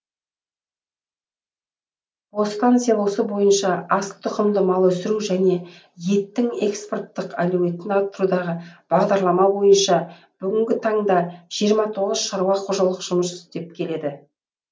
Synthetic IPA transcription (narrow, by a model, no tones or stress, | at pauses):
wost̪ɑnt̪sɨjabosəbo̞jənʃɑɑst̪ʰʊqʰəmd̪əmɑlˠəɵsɪɾuʒæne̞ | je̞t̪ːɪŋe̞kspo̞rt̪ːəqæluwe̞t̪ːɪnɑt̪ːəɾud̪ɑʁəb̥ɑʁd̪ɑɾlˠɑmɑbo̞jənʃɑ | b̥ʏɡʲɪŋɡʲɪt̪ʰɑɴd̪ɑʒ̥ijəɾmɑt̪ʰo̞ʁəz̥ʃɑɾwɑqʰoʒɑlˠəqʒ̥ʊməsʏ̥st̪e̞p̚kʲʰe̞le̞d̪ɪ